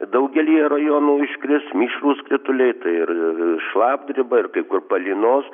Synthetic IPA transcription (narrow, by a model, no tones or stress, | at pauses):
d̪ɐʊɡʲɛlʲiːrɐjoːnuːɪʃkɾʲɪsmʲiːʃruːskrʲɪt̪ʊlʲɛɪt̪ɐɪɪrʃlˠɑːbd̪ʲrʲɪbɐɪrkɐɪkʊrpɐlʲiːnoːs